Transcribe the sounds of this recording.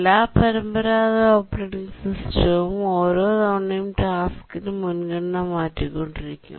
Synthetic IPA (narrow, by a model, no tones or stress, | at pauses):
lːaːpɐɾɐmbɐɾaːðɐoːpːreːʈiŋsisʈɐmoːɾoːðoːɳːɐjumʈaːfi̥kːinɨmunkɐɽɐnɐmaːtːikːoɳɖiɾikʲːṵm